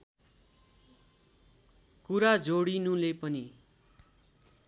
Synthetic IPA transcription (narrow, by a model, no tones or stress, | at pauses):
kuɾad͡zoɽinũlepʌni